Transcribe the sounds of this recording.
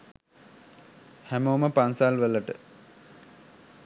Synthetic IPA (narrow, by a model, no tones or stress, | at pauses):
hæmoːməpansalʋələʈə̰